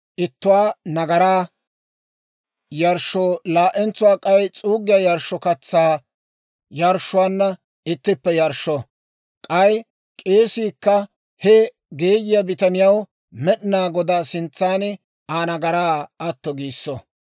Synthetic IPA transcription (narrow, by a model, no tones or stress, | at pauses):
ʔɪt̪ːʊwaːnɐɡɐɾaː | jɐɾʃːoːlaːʔɛnt͡sːʊwaːkʼɐjt͡sʼuːɡɪjɐːjɐɾʃːɔkɐt͡sːaː | jɐɾʃːʊwaːnːɐ | ɪt̪ːɪpːɛjɐɾʃːɔ | kʼɐj | kʼeːsiːkːɐ | hɛ | ɡe̞ːjɪjabɪt̪ɐnɪjɐw | mɛɗɪnaːɡɔd̪aːsɪnt͡sːaːnɪ | aːnɐɡɐɾaːɐt̪ːɔɡiːsːɔ